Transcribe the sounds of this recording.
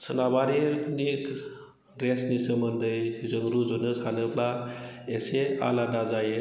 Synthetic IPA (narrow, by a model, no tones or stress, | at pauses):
sɯnabaɾinik | ɾesnisɯmɯndɯjzɯŋɾuzɔnɯsanɯplaesea̰lanazaj